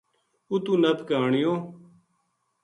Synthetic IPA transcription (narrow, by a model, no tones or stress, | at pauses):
ut̪ũːnəp̪kaːɳɪjõː